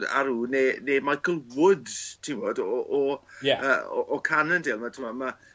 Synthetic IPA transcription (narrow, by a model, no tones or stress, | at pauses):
da̰ɾuːnenemaɡəlˠwʊdtʰivoːdɔʔɔɛə̰ːɔ̰ʔɔkʰanəndeːlˠmatʰəmama